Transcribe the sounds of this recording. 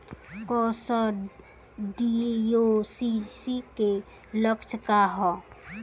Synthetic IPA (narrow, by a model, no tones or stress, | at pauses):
kɔːsə | ɖijosisike | ləkt͡ʃkaɦɔː